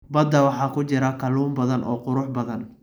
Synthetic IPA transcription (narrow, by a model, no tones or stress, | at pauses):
bɐd̪ːɐwɑħɑːkʰʊt͡ʃɪɾɐkʰɐluːmbɐðɐnʔɔ̰ːqʊɾʊħbɐðɐn